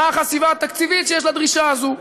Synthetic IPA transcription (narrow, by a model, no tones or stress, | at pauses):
aχasivat̪ːakt͡sivit̪t͡ʃjɛʃ̬lad̪ʁiʃazu